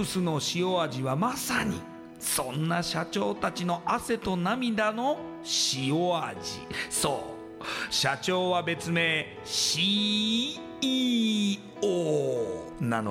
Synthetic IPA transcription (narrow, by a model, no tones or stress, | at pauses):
ɯsɨno̞ɕio̞aʑiβamasaɲ̟ḭ | sõ̞nːaɕat͡ɕo̞ːt̪at͡ɕino̞ʔase̞t̪o̞namʲid̪ano̞ | ɕioad͡ʑḭso̞ː | ɕat͡ɕo̞ːβabe̞t͡sɨme̞ | ɕi | o | nano